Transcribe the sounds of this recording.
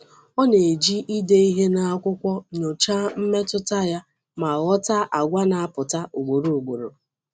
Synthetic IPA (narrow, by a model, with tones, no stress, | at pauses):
ɔ˦ne˨d͡ʒi˦ʔi˦de˦i˦ɦe˦na˨a˦kʷʊ˦kʷɔ˦ɲo˨t͡ʃa˦m̩˦me˦tʊ˦ta˦ja˦ | ma˨ɔ˦ta˦ʔa˨ɡʷa˦na˨a˨pʊ˨ta˦ʔo˨ɡ͡bo˨ɾo˨o˨ɡ͡bo˨ɾo̰˨